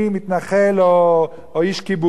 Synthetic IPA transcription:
imit̪naχelo | oiʃkibu

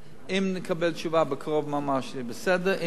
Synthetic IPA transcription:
ɪmnəkʰabɛlt͡ʃuvabəkʰʁɔvmamaʁʃlibəsɛdəʔɪ

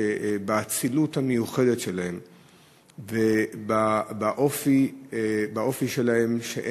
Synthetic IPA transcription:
ebaat͡siluthamejuχe̞detʃe̞lahe̞m | vebabaʔofi | baʔo̞fiʃe̞lahe̞mʃḛʔ

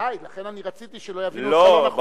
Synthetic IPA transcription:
ajlaχenaniʁat͡sit̪iʃelojavillob

